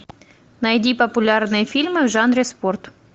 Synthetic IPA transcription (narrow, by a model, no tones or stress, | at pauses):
nɐjdʲipəpʊlʲarnɨjəfʲilʲmɨvʐanɾʲɪsport̪